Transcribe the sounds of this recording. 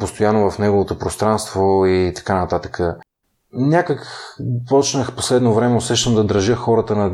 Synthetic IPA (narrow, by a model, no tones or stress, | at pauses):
post̪ojanːovɐfnɛɡovot̪opɾost̪ɾanst̪voit̪ɐ̥kanɐt̪at̪ə̥kʰə | nʲakəkpɔt͡ʃnəxposlɛd̪novɾɛmɛʊsɛʃt̪əmd̪ɐd̪ɾəʒɤxɔɾət̪ənɐ